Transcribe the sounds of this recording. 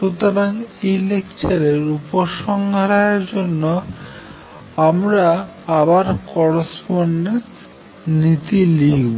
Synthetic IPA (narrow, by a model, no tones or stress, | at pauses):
ʃut̪oɾaŋilekt͡ɕaɾeɾupoʃɔŋɡʱaɾaeɾd͡ʑonːo | amɾa | abaɾkɔɾospoɾːe | nit̪iliɡb